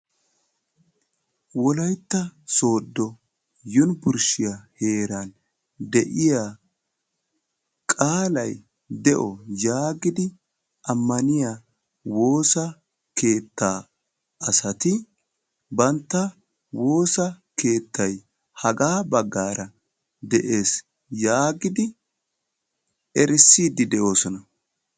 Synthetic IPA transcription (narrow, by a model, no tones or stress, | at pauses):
wɔlɐjt̪ːɐso̞ːd̪ːɔ | jʊnbʊɾʃɪjɐhe̞ːɾan | d̪ɛʔɪjaː | kʼaːlɐj | d̪ɛʔɔjaːɡɪd̪ɪ | ʔɐmːɐnɪja | wo̞ːsɐ | ke̞ːt̪ːaː | ɐsɐt̪ɪ | bɐnt̪ːɐ | wo̞ːsɐkʰe̞ːt̪ːɐj | hɐɡaːbɐɡːaːɾɐ | d̪ɛʔe̞ːs | jaːɡɪd̪ɪ | ɛɾɪsːiːd̪ɪd̪ɛʔo̞ːsɔnɐ